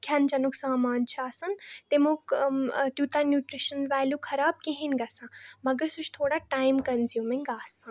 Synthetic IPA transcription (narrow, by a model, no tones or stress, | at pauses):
kʲʰand͡ʒɐnuksaːmaːnt͡ʃʰaːsɐnt̪emukt̪juːt̪anjuːʈɾiʃɐnʋaːljukʰɐɾaːb̚keɦinɡaːsãːmɐɡəɾsut͡ʃʰt̪ʰoːɽaʈaːjmkɐnzjuːmiŋɡaːsã